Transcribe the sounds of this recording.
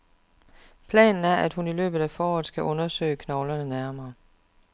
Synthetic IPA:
pʰlɛ̰ːnn̩æɐʔæd̥hunilø̰ːb̥ð̩ˠæfɒːɒðˠsɡ̥æʔɔ̽nɐsø̰ːɪəkʰnɒʊlɐnənæɐmɐː

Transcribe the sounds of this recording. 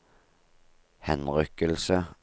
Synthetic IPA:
hɛnʁʏkəlsə

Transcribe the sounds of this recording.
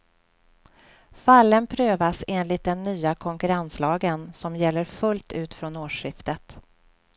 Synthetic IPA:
falːənpʰɾøːvaseːnlɪt̪̚d̪ɛnːyːakʰɔŋkɵɾanslɑːɡənsɔmjɛlːəɾfɵlt̪ʉ̟ːt̪fɾɔnoːʂɪft̪ət̪

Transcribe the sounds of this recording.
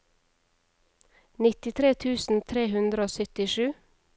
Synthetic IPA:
nɪt̪ɪt̪ʰɾeːt̪ʰʉːsn̩t̪ʰɾeːhʉnd̪ɾəoːsœt̪ɪʃʉː

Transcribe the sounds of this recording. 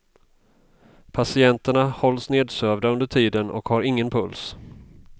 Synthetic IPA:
pʰasɪɛnt̪əɳahɔlsneːd̪søːvd̪aɵnd̪əʈʰiːd̪ənʔɔ̰khaɾɪŋːənpʰɵls

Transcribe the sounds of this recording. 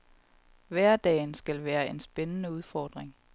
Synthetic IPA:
ʋæɐd̥ɛ̰ːnsɡ̥ælʋæːɐe̝nsb̥enənəuð̞ˠfɒːd̥ʁeŋ

